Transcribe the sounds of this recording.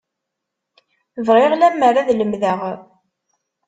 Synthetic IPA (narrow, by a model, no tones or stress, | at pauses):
vʁeʁlæmːərˤaðləmðəʁ